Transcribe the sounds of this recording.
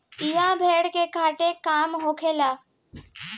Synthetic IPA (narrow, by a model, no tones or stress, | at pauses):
ijãbʱeːɽkekaːʈekaːmɦoːkʰeːlaː